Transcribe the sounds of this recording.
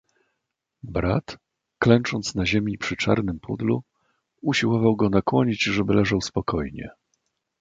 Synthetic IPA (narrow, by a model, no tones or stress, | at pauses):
bɾa̰t̪ | klɛnt͡ʂɔnt̪snaʑemʲipʂɘt͡ʂa̰ɾnɘmpʰṵd̪lu | uɕiwɔvawɡɔnakwɔɲid͡ʑʐɛbɘlɛʐawspɔkɔjɲɛ̰